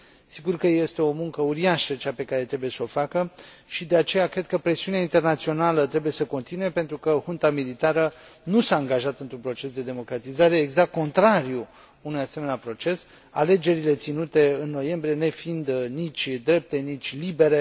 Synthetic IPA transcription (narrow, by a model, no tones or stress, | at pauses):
siɡurkəje̞st̪e̞o̞muŋkəuɾiaʃət͡ʃape̞kaɾe̞t̪ɾe̞buje̞səofakə | ʃid̪e̞at͡ʃe̞jakɾe̞d̪̚kəpɾe̞siuneaint̪e̞rnat̪sio̞nalət̪ɾe̞buje̞səko̞nt̪inuje̞pe̞nt̪ɾukəhunt̪amilit̪aɾənusaːŋɡaʒat̪ɨnt̪ɾunpɾo̞t͡ʃe̞sd̪e̞d̪e̞mo̞kɾat̪izaɾeːɡzakkko̞nt̪ɾaɾju | unujase̞meneapɾo̞t͡ʃe̞s | a̰le̞d͡ʒe̞ɾile̞t̪sinut̪e̞ɨnːo̞je̞mbɾije̞ne̞find̪nit͡ʃʲd̪ɾe̞p̚t̪e̞nit͡ʃʲlibe̞ɾe